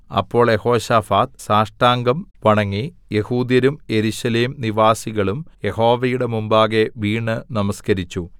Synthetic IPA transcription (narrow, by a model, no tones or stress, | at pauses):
ɐ̰pːo̞ːɭje̞ho̞ːɕaːfaːt̪̚saːʂʈaːŋɡɐmʋɐɳɐŋːije̞huːd̪jɐɾumje̞ɾuɕɐleːmniʋaːsiɣɐɭumje̞ho̞ːʋɐjuɽe̞mumbaːɣe̞ʋiːɳːɨnɐmɐskɐɾit͡ɕːu